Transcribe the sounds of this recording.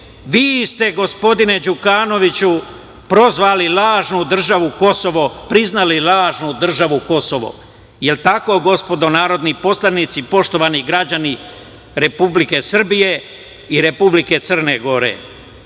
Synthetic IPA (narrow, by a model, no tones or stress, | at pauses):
ʋiːst̪e̞ɡo̞spo̞d̪ine̞d͡ʒukaːno̞ʋit͡ɕu | pɾo̞zʋaːlilaːʒnud̪r̩ʒaʋuko̞so̞ʋo̞pɾiznalilˠaːʒnud̪r̩ʒaʋuko̞soʋo̰ | jelt̪ako̞ɡo̞spo̞d̪o̞naːɾo̞d̪nipo̞slanit̪sipo̞ʃt̪o̞ʋaniɡɾad͡ʑani | ɾe̞publike̞sr̩bije̞ | iɾe̞publike̞t̪sər̩ne̞ɡo̞ɾḛ